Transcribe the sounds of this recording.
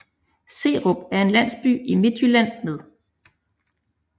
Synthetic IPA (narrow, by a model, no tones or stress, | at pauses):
se̝̰ːʁob̥æɐe̝nlæn̰sb̥y̰ːime̝d̥ylæn̰með̞ˠ